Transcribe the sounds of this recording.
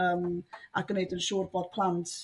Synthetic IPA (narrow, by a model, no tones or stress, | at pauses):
əːmaɡ̥ənedənʃuːrbɔd̥̚pʰlˠant